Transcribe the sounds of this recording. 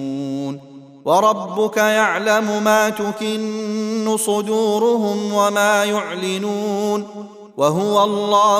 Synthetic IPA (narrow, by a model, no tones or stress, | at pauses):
n | wɑɾˤɑbːʊkajaʕlamʊmaːt̪ʊkɪnːʊsˤʊd̪uːɾʊɦʊmwamaːjʊʕlɪnuːn | waɦʊwaɑlˤːɑː